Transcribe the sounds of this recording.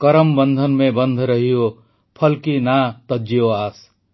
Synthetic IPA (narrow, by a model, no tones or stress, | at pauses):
kəɾəmbənd̪ʱənmẽbə̃nd̪ʱɾəɦijo | pʰəlkinat̪əd͡ʒijoaːs